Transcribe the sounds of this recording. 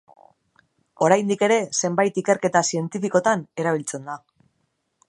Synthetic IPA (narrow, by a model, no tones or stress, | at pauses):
o̞ɾajnd̪ike̞ɾe̞se̞mbajt̪ike̞ɾke̞t̪asie̞nt̪ifiko̞t̪ane̞ɾaβ̞ilt͡se̞nd̪a